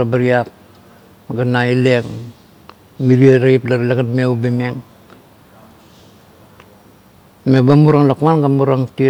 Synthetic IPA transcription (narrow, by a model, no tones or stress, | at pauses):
abaɾiap̚ | ɡanaile̞ŋ | miɾiaɾaiplalaɡanmewbemeŋ | mebamuɾaŋlakmanɡamuɾaŋti